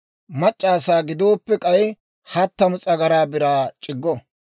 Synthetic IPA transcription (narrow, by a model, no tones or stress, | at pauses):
mɐt͡ʃʼːaːsaːɡɪd̪o̞ːpːɛkʼɐj | hɐt̪ːɐmʊt͡sʼɐɡɐɾaːbɪɾaːt͡ʃʼɪɡːɔ